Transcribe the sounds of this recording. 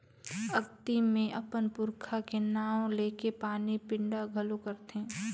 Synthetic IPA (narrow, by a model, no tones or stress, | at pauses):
ɐɡt̪imẽʔɐpənpʊɾkʰakenaːõleːkepaːnipɪ̃ɳɖaɡʱəlokəɾt̪ɦɛ̃ː